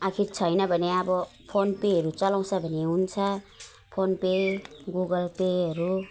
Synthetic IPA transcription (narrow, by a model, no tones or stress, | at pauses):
ʌkʰiɾt͡sʰʌjnʌbʱʌneʌbʌ | pʰonpeɦʌɾut͡sʌlaw̃t͡sʰʌbʱʌneɦunt͡sʰʌ | pʰonpeɡuɡʌlpeɦʌɾu